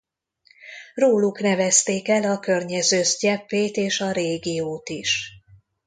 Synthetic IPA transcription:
roːluknɛvɛst̪eːkɛlɒkørɲɛzøːzɟɛpːeːt̪eːʃɒɾeːɡijoːt̪iʃ

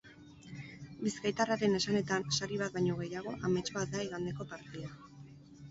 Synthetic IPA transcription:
biskajt̪araɾe̞ne̞sane̞t̪ansaɾiβ̞at̪̚bajɲo̞ɣ̞e̞jaɣ̞o̞ʔame̞t͡ʃbat̪̚d̪aiɣand̪e̞ko̞paɾt̪ea

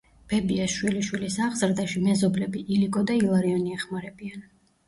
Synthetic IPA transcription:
b̥ɛbiasʃwiliʃwilisaʁzɾd̪aʃimɛzɔblɛbiʔiliɡʼɔd̪ailˠaɾiɔniɛχmaɾɛbian

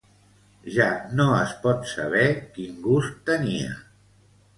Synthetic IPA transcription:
ʒanoəspɔt̪saβɛkiŋɡust̪ːəniə̰

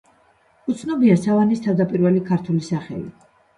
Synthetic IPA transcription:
ut̪sʰnɔbiasavanist̪ʰavd̪apʼiɾvɛlikʰaɾt̪ʰulisaχɛ̰lḭ

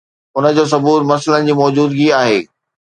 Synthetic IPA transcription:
ʊnə̆d͡ʑoːs̬ɐbuːɾmɐslənɪ̆d͡ʑiːmɔːd͡ʑuːd̪ɡiaːɦeː

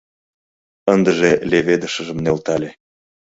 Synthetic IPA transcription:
ənd̪ə̆ʒelʲeβed̪əʃə̆ʒə̆mnelt̪ɑlʲe

